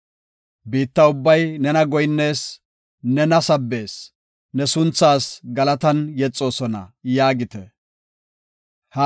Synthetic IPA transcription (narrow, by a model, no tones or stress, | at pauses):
biːt̪ːɐʊbːɐjnɛnɐɡɔjnːe̞ːs | nɛnɐsɐbːe̞ːs | nɛsʊnt͡sːaːsɡɐlɐt̪ɐnjɛt͡sʼːo̞ːsɔnɐ̰jaːɡɪt̪ɛ | hɐ